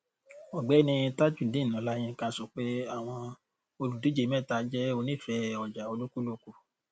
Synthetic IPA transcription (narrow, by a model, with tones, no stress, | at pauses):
ɔ˨ɡ͡bɛ˨˦nĩ˧ĩ˧ta˦d͡ʒũ˦˨dĩ˨˦˨nã˨˦lã˦ĩ˧˦kã˦˨sɔ˦k͡pe˦a˦˨w̃ɔ̃˧ | o˧lu˨di˨˦d͡ʒe˨˦mɛ̃˦˨ta˧˨˦d͡ʒɛ˦o˧nĩ˦˨fɛ˨˦ɔ˨d͡ʒa˨o˧lu˦ku˦lo˧ku˧˨